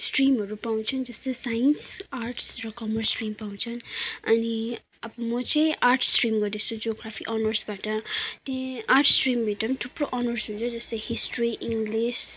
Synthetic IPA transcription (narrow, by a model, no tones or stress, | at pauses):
sʈrimɦʌɾupaw̃t͡sʰʌnd͡zʌst̪ʌjsajinsarʈʰsrʌkʌmʌrsʈrimpaw̃t͡sʰʌnʌni | ʌbʌmʌt͡sãj̃ʔarʈʰsʈrimɡʌɾd̪it͡sʰud͡zoɡrapʰikʔɔnʌrsbaʈʌt̪jẽarʈʰsʈrimbʱiʈʌpt̪ʰuproʔɔnʌrsɦunt͡sʰʌd͡zʌst̪ʌjhisʈriʔiŋɡles